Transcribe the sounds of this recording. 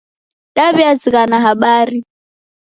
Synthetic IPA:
ɗaβiaziɣanaɦaɓaːɾi

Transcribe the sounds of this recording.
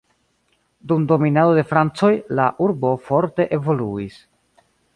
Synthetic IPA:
dumdo̞minado̞de̞fɾant͡so̞jlaʔuɾbo̞fo̞ɾte̞ʔe̞vo̞luis

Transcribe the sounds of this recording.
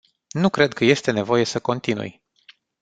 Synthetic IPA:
nukɾe̞d̪̚kəje̞st̪e̞ne̞vo̞je̞səko̞nt̪inṵj

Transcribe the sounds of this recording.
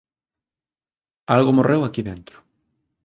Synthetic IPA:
alɣʊmorewakiðent̪ɾʊ̥

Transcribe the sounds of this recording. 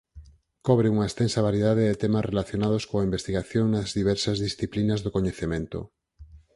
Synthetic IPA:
kɔβɾɪuŋɐest̪ensɐβaɾjeðaðeðɪt̪ɛmasrelaθjonað̞oskoaimbest̪iɣaθjoŋnɐzðiβ̞ɛɾsɐzðisθiplinɐzðokoɲeθemẽnt̪o̰

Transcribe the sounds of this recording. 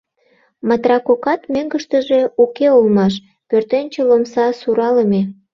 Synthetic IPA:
mɑt̪rɑkokɑt̪møŋɡəʃt̪ə̆ʒe̽ukeulmɑʃ | pørt̪enʲt͡ɕelomsɑsuɾɑləme

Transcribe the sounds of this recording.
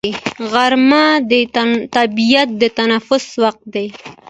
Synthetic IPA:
ɣaɾmad̪ət̪abijat̪̚d̪ət̪anafʊswaq̚t̪̚d̪ej

